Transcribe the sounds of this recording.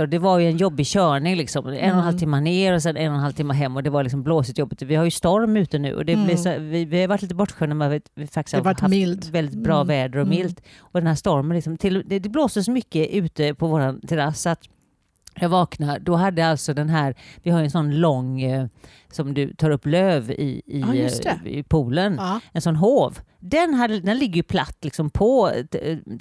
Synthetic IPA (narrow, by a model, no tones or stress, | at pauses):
ɔd̪ɛvaɾjɵɛnjɔbːɪɕœːɳɪŋlɪksɔmɛ̰nːɔnhalt̪ʰɪmːaneːɾɔsɛnːɛnːɔnhalvt̪ɪmːaɦɛmːɔd̪ɛvaɾlɪks̬ɔmbloːsɪt̪jɔbːɪt̪vɪhaɾjɵst̪ɔɾmʉ̟ːt̪ənʉ̟̰ːʔɔ̰d̪ɛblɪsɔvɪvɪhajʏvaʈʰːliːt̪əbɔʈːɧœːnamɛavɪvɪfak̚t̪ɪ̥shaaafldvɛld̪ɪt̪̚bɾɑːvɛːd̪əɾɔmɪlt̪ɔd̪ɛnhæːʂt̪ɔɾmənlɪksɔmt̪ʰɪlːd̪ɛd̪ɛbloːsd̪əsɔmʏkːəʔʉ̟ːt̪əpʰɔvoːɾant̪ʰɛɾasːat̪ | jɑːvɑːknaɾd̪ɔɦad̪ːəjalt̪sɔd̪ɛnɦæːɾvɪhajɵɛnsɔnːlɔŋ | sɔmd̪ɵ̰t̪ʰɑːɾɵpːløːvɪ̰ɪ̰ | ɪ̰pʰuːlənɛnsɔnːɦoːvd̪ɛnɦad̪ːəd̪ɛnlɪɡːəjɵpʰla̰t̪ːlɪksɔmpʰɔ